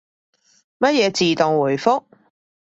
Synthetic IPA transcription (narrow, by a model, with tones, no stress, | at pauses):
mɐ˥t̚jɛː˨˧t͡siː˨t̪ʊ˨ŋwuː˨˩jfʊ˥k̚